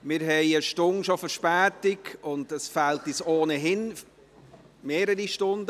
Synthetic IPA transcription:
mɪɾɦɛɪəʃtʊnʃofəɾʃpæːtɪɡʊndəsfæltisoːnəɦɪn | meːɾəɾiʃtʊndə

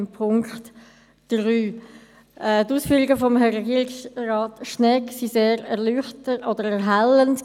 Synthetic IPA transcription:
mpʰʊŋkχt | d̥ryː | ʔɛtuːsfyːʁiɡəfɔmɛʁɛɡiːʁɪksraːtʃnɛksiseːɾɛʁlyχtəɔdəʁɛɦalənt

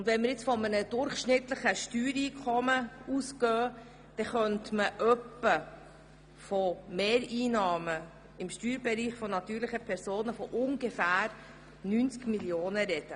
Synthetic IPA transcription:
ʊndʋɛnmɪɾjɪt͡sfɔmənəd̥ʊɾχʃnɪt̪ləχəʃtyːɾiːkʰɔməuskœː | d̪̥ɛχœntməʔœpːə | fɔmeːɾiːnɑːmə | ɪmʃtyːɾbɛɾiːχfɔnɑt̪yːɾlɪχəpʰɛɾsoːnəfɔʔʊŋɡəfæːɾ | nynt͡skmiljoːnəɾɛd̥ə

